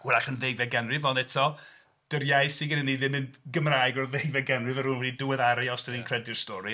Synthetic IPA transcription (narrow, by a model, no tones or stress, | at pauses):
wɛlˠaχənðejvɛɡɛnrɨvɔndɛtʰɔ | d̥əɾjajsɪnɡɪnənːiðɪmɪndɡəmrajɡɔrðejvɛɡɛnrɨvɛɾunwɛdidʊwɛðaɾaɔstəninkʰr̥ɛdɪrstɔɾi